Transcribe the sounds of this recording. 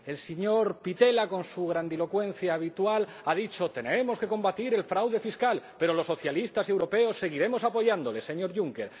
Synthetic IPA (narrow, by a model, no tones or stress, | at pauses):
e̞lseɲo̞ɾpit̪e̞lako̞nsuɣɾand̪ilo̞kwe̞nθjaːβ̞it̪wal | að̞it͡ʃo̞t̪e̞ne̞mo̞ske̞ko̞mbat̪iɾe̞lfɾawðe̞fiskalpe̞ɾo̞losːoθjalist̪ase̞wɾo̞pe̞osːe̞ɣ̞iɾe̞mo̞sapo̞ʝand̪o̞le̞se̞ɲo̞ɾʝuŋke̞ɾ